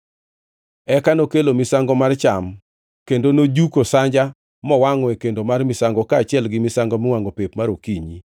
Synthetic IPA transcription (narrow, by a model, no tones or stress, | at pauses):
ɛkanokelomɪsaŋɡɔmart͡ʃam | kendonod͡ʒukosaɲd͡ʒa | mɔwaŋɔɛkendomarmɪsaŋɡɔkaːt͡ʃɪɛlɡɪmɪsaŋɡɔmɪwaŋɡɔpepmaɾokiɲi